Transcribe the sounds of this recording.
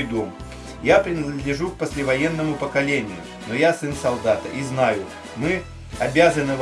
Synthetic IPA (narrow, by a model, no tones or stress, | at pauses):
d̪om | japɾʲɪnəd̪əd̪lʲɪʐuk̚pəsʲlʲɪvɐjenːəmʊpəkɐlʲenʲɪjʊ̰ | nojasɨnsɐlˠd̪at̪ə̰ʔiznajʊ | mɨ | ɐbʲazənɨv